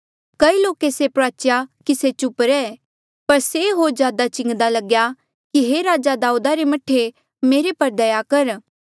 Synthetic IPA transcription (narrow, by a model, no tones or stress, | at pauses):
kɐiloːkesepɾaːt͡ʃjakiset͡ʃʊpɾɛ | pɐɾseɦoːɾzjaːd̪at͡ʃɪ̃ŋɡd̪alɐɡja | kiɦeɾaːd͡ʒad̪aːud̪aɾemɐʈʰe | meːɾepɐɾd̪ɐjakɐɾ